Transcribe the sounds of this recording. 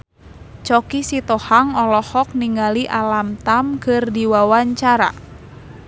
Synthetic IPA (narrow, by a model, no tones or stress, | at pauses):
t͡ʃɔkisit̪ɔhaŋɔlɔhɔk̚niŋaliʔalamt̪amkɨrdiwawaɲt͡ʃaɾa̰